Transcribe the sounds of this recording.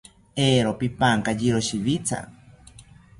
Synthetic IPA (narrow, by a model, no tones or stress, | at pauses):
eːɾopipaŋkad͡ʒiɾoʃiβit͡sʰa̰